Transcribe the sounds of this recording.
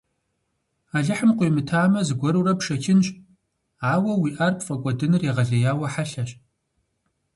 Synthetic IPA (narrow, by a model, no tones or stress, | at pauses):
aːɮɨħəmqʷujmɨtʰaːmɐzɨɡʷɔɾurɐpʂɐkʰɪnɕʼ | aːwɐwiːʔɐrpʰfʼɐkʷʼɔdɨnɨreʁɐɮɐjaːwɐħaɬɐɕ